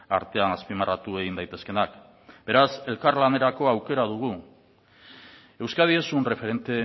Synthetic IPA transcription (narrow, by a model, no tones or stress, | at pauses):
a̰ɾt̪e̞anaspimarat̪ue̞ɣind̪ajt̪e̞ske̞nak | b̥e̞ɾase̞lkaɾlane̞ɾako̞awke̞ɾaðuɣ̞u | e̞wskað̞ie̞sunre̞fe̞ɾe̞nt̪e̞